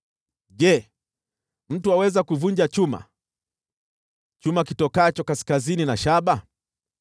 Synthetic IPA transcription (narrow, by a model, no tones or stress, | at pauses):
ʄɛ | m̩tuawɛzakuvuɲd͡ʒat͡ʃuma̰ | t͡ʃumakitɔkat͡ʃɔkasi̥kazininaʃaɓa